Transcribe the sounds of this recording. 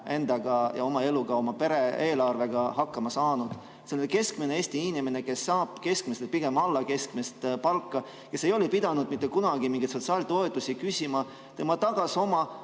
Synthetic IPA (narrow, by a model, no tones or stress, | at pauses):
e̞nd̪ɑɡ̥ɑjɑ̰o̞mɑe̞luɡ̥ɑo̞mɑpe̞ɾe̞e̞ːlɑrve̞ɡ̥ɑhɑkːɑmɑsɑːnud̪̥ | selke̞skmeneeːsʲt̪iinimene̞ke̞sːɑːb̥ke̞skmeselpiɡ̥e̞mɑlːɑke̞skmest̪pɑlkːɑ | kke̞se̞jo̞lepid̪̥ɑnud̪mit̪ːekunɑɡ̥imiŋɡet̪so̞t̪sɑːlt̪o̞et̪ːˑusikysʲimɑ | t̪e̞mɑt̪ɑɡ̥ɑso̞mɑ